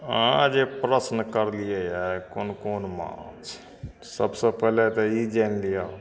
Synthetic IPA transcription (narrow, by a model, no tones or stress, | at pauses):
ãd͡ʒepɾəsnkəɾlijejɛkonkonmã̰t͡ʃ | səbsəpəɦlet̪ɔid͡ʒɛnlija